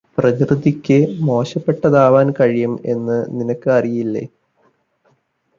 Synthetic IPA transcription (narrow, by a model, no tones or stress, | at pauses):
prɐkrɨðikʲːɨmo̞ːɕɐpːe̞ʈːɐðaːʋaːnkɐɻijɐme̞̰nːɨninɐkːɨɐrijilːḛː